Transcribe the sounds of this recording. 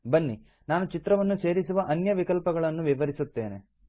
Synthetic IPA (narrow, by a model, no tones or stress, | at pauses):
bɐnːi | naːnut͡ʃit̪ɾɐʋɐnːuse̞ːɾisuʋɐʔɐnjɐʋikɐlpɐɡɐɭɐnːuʋiʋɐɾisut̪ːe̞ːnḛ